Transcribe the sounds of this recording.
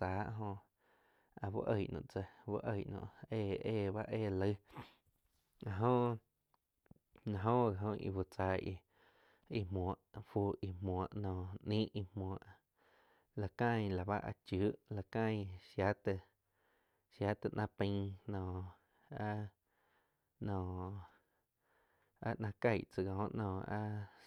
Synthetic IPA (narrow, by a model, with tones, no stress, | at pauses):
aː˨˦ʔɦõ˧ | a˧wṵ˦ʔə˧˨ʔnɔ̰̃˧˨ʔt͡sə˧wṵ˦ʔə˧jʔnõ̰˧˨eː˧˨eː˧˨ba˦ʔeː˦˧˨lə˧˦ | a˧˨ɦõ˦ʔ | nã˧ɦõ˦ɣa˨ɦõ˧ḭ˧˨wu˨t͡sa˧ʔi˧ | i˧mɔ̃˨ʔfu˧˨i˧mɔ̃˨ə˨ʔnɔ̃ː˧˨ʔnĩː˦ʔi˧mɔ̃˧˨ə˨ʔ | la˨kã˦˨j̃la˨ba˦ʔa̰˧t͡ʃu˨˦ʔla˨kã˦˧j̃ʃja˦t̪ə˧˨ | ʃja˨˦t̪ɨ˧ʔnʔã˧pĩ˧˦nɔ̃˧˨ | a˦ | nɔ̃ː˧˨ | a̰˦ʔnã˧ka˧jʔt͡sɨ˧ɡã˨˦ʔnɔ̃ː˧˨a̰˦